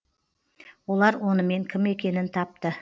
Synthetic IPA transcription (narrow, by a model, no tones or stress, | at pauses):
wo̞lˠɑɾwo̞nəme̞ŋkʲʰɪme̞kʲe̞nɪnt̪ʰɑp̚t̪ə